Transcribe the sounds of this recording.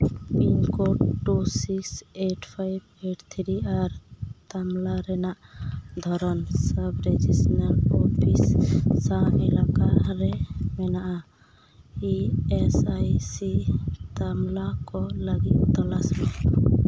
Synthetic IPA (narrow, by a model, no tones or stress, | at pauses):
inkoʈusikseʈpʰajbeʈt̪ʰɾiaɾt̪amlaɾɛnaʔd̪ʱɔɾɔnsəbɾed͡ʒisnəɾopʰisːãɛlakaɾemɛnaʔa | iesajsit̪amlakɔləɡit̪ɔlasme